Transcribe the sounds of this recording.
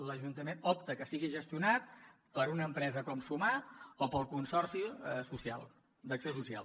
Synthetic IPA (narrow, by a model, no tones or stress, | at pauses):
ləʒunt̪əmenɔp̚t̪əkəsiɣiʒəst̪iunat̪̚ | pəɾunəmpɾɛzəkɔmsumaopəlˠkunsɔrsisusia̰lˠ | d̪əksiosusia̰lˠ